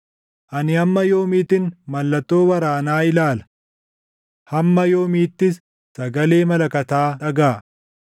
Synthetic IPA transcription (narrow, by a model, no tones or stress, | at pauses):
ʔɐnɪɐmːɐjo̞ːmiːt̪ɪnmɐlːɐt̪ːo̞ːwɐɾaːnaːɪlaːlɐ̥ | hɐmːɐjo̞ːmiːt̪ːɪs | sɐɡɐle̞ːmɐlɐkɐt̪aːᶑɐɡaː